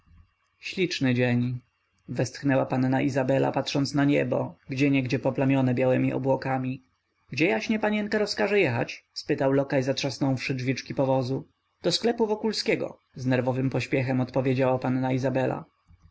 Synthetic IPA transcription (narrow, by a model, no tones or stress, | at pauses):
ɕlʲit͡ʂnɘd͡ʑeɲ | vɛst̪xnɛwapanːaʔizabɛla̰pat̪ʂɔnt̪snaɲɛ̰bɔ̰ɡd͡ʑɛɲɛɡd͡ʑɛpɔplamʲjɔnɛbʲjawɛmʲiʔɔ̰bwɔkamʲi | ɡd͡ʑɛjaɕɲɛpaɲɛŋkaɾɔskaʐɛjɛxa̰t͡ɕspɘt̪awlɔkajzatʂasnɔ̃w̃fʂɘd͡ʐvʲit͡ʂkʲipɔvɔzu | d̪̥ɔsklɛpuvɔkulskʲɛɡɔ̰ | znɛɾvɔvɘmpɔɕpʲjɛxɛmɔt̪pɔvʲjed͡ʑawapanːaizabɛla̰